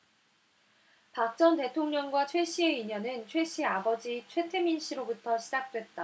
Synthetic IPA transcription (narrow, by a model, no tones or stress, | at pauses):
pak̚t͡ɕ͈ʌnte̞tʰoŋɲʌŋɡwat͡ɕʰwe̞ɕ͈ie̞iɲʌnɯnt͡ɕʰwe̞ɕ͈ʰiabʌd͡ʑit͡ɕʰwe̞tʰe̞minɕ͈ʰiɾobutʰʌɕʰid͡ʑak̚t͈we̞t̚t͈a